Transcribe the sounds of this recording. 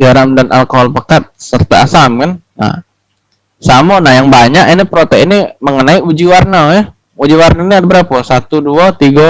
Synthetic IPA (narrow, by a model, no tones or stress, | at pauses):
ɡaɾamdanʔa̰lkoɦalpakat̪̚sərt̪a̰ːsamkan | na̰ | samonajaŋbaɲakinipɾot̪ɛiniməŋənaiud͡ʒiwarnajɛ | ud͡ʒiwarnainiadabəɾapasat̪uduat̪iɡa